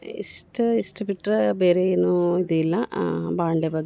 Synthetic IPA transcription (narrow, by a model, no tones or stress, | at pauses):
ḭsʈɨisʈɨbiʈːrbeːɾejinːuiðjilːɐbaːɳɖebɐɡ